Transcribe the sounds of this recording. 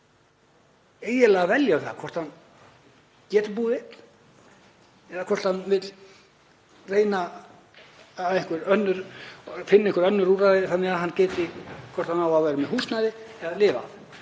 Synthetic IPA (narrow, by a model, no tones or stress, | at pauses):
eːjɪlɛɣavɛljaʏθa̰kʰvɔr̥t̪hanː | cɛːt̪ɪpuːðɪ | ɛðakʰvɔr̥t̪hanːvɪt̪l | reːjna | aðẽŋ̥kvʏɾœnːʏɾfɪnːɪɪhkvɾœnːʏɾuɾaðɪθanːɛɣaɦanːcɛːt̪ɪkʰvɔr̥t̪hanawaðvaːɾɪmɛɦuːst̪naðɪ | ɛðalɪːva̰